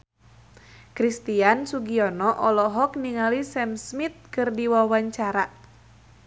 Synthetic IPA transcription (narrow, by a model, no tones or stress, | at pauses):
kɾist̪iansuɡiɔnɔʔɔlɔɦɔk̚niŋalisɛmsmit̪̚kɨrdiwawaɲt͡ʃaɾa